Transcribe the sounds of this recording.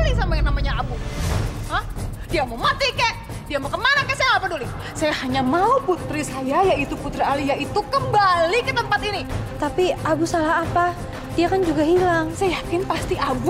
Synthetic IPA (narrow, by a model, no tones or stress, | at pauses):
lisamajaŋnamaɲaabu | əh | d̥iamomat̪ikɛʔ | diamokəmanakɛsajaapadolu | sajahaɲamauput̪ɾisajajait̪uput̪ɾaalijait̪ukəmbalikət̪əmpat̪init̪apiabusalahapa | d̥iakand͡ʒuɡahilaŋsajajakɪnpast̪iʔabu